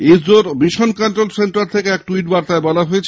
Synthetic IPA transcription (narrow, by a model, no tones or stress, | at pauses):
eoɾbiʃonkanʈɾolsenʈaɾt̪ʰekeɛkʈuiʈbaɾt̪aebɔlaɦoet͡ɕʰ